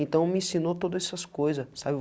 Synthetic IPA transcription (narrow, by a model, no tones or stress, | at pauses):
ẽnt̪ɐ̃w̃mɪĩsĩnot̪od̪ɐzɛsɐskojzɐsabɪv